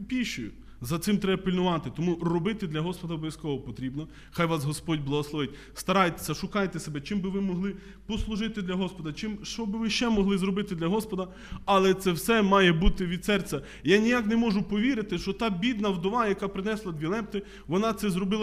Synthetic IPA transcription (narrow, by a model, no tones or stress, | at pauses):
pʲiʃʊjʊ | zɐt̪sɪmt̪ɾɛbɐpʲɪlʲnʊʋɑt̪ɪt̪ɔmurɔbɪt̪ɪd̪lʲɐɦɔspɔd̪ɐɔbɔjɐskɔɦɔpɔt̪ɾʲibnɔ | xɑjʋɑsɦɔspɔdʲblˠɐɦɔslˠɔʋɪt̚ʲ | st̪ɐɾɑjt̪e̥sʲɐʃʊkɑjt̪ɛsebɛt͡ʃɪmbɪʋɪmɔɦlˠɪ | pɔslˠʊʒɪt̪ɪd̪lʲɐɦɔspɔd̪ɐt͡ʃɪmʃt͡ʃɔbɪʋɪʃt͡ʃɛmɔɦlˠɪzɾɔbɪt̪ɪd̪lʲɐɦɔspɔd̪ɐ | ɐlˠɛt̪sɛwsɛmɑjɛbut̪ɪʋʲid̪sɛrt͡sʲɐ | janʲijaknɛmɔʒʊpɔʋʲiɾɪt̪ɪʃt͡ʃɔt̪ɑbʲid̪nɐwd̪ɔʋɑjɐkɑpɾɪnɛslˠɐd̪ʋʲilˠɛp̚t̪ɪ | ʋɔnɑt̪sɛzrɔbɪlˠɐ